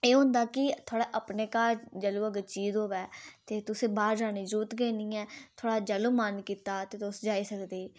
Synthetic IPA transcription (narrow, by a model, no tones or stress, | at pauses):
eːɦʊ̃nd̪aːkɪt̪ʰoːɽaːʔəpneːkaːɾd͡ʒəluːəɡt͡ʃiːzɦoːʋɛːt̪eːt̪ʊsẽːbaːɾd͡ʒaːniːd͡ʒuːt̪ɡəːnĩːɛːt̪ʰoːɽaːd͡ʒəluːmənkiːt̪aːt̪eːt̪ʊsd͡ʒaːiːsəkd̪eː